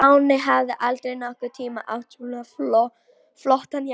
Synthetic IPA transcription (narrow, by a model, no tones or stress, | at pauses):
awnɪɦavðɪʔalt̪ɾejnaɔhkʏɾt̪ʰiːma̰ʔa̰whsulaflɔ | flɔht̪an